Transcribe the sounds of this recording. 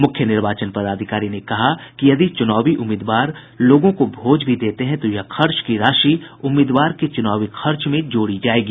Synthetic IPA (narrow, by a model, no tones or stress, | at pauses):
mʊkʰjənɪɾʋaːt͡ʃənpɐɾaːd̪ʱɪkaːɾinekɐɦakijɐd̪it͡ʃʊnaːʋiʔʊmɪːd̪ʋaːɾ | loːɡõkobʱoːd͡ʒbʱid̪eːt̪eɦɛ̃t̪ojɐxʰɐɾt͡ʃkiɾaːʃiʊmːɪːd̪ʋaːɾket͡ʃʊnaːʋixʰɐɾt͡ʃmẽd͡ʒoːɽid͡ʒaːeːɡiː